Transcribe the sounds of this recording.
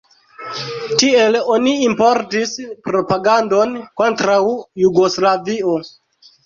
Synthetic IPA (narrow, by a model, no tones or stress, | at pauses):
tielo̞niimpoɾtispɾo̞paɡando̞nko̞ntɾawjuɡo̞slavio̞